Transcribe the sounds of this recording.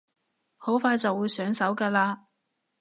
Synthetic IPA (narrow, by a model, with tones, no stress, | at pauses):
ho˨˥wfaː˧jt͡sɐ˨wːuː˨˧jsœː˨˥ŋsɐ˨˥wkaː˧laː˧